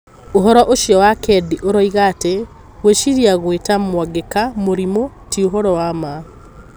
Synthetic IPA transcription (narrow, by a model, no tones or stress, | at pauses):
oɦɔɾɔʔoʃjɔwakʰɛdiʔoɾɔiɣate | ɣweʃiɾiaɣwetamwaɡekamoɾimo | tioɦɔɾɔwama